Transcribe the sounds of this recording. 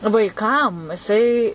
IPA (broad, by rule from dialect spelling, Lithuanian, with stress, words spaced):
ʋɐɪˈkɐm jɪˈsɐɪ